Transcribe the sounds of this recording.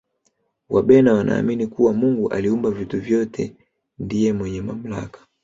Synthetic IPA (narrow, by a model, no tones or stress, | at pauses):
waɓɛnawanʔa̰ːminikuwamuŋɡuʔaliumbavituvjɔtʰɛ | ndijɛmwɛɲɛmam̩la̰kḁ